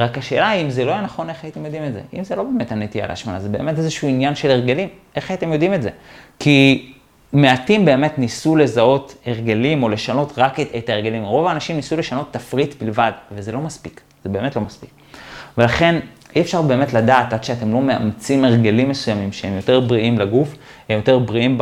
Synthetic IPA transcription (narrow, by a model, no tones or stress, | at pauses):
ʁakhaʃe̞̰ːlaimzelo̞ijenaχo̞ne̞χaite̞mjo̞dimetze̞̰ʔimzelo̞be̞ːme̞thanetija̰lḛaʃmana̰zebe̞ːme̞tezeʃuinjanʃeleʁɡelim | e̞χaite̞mjo̞dimetze̞ki | me̞atimbe̞ːmetnisule̞zao̞te̞ʁɡelimo̞le̞ʃano̞tʁaketaeʁɡelimʁo̞vaːnaʃimnisule̞ʃano̞tːafʁitbilvadvezelo̞maspik | z̥ebe̞ːme̞tlo̞maspi̥k | ve̞laχe̞n | iefʃaʁbe̞ːmetladaːtad̪ʃeate̞mlo̞mea̰mt͡simeʁɡelimːe̞sujamimʃeemjo̞te̞ʁbʁiimleɡuf | emjo̞te̞ʁbʁiim